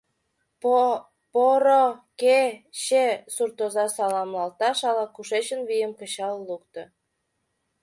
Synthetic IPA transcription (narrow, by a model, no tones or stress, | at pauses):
poɾokeɕesurt̪ozɑsɑlɑmlɑlt̪ɑʃɑlɑkuʃet͡ɕənβijəmkət͡ɕɑllukt̪ŏ